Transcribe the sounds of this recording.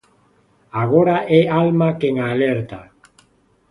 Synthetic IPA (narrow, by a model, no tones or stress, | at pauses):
aɣoɾaʔɛalmakeŋalɛɾt̪a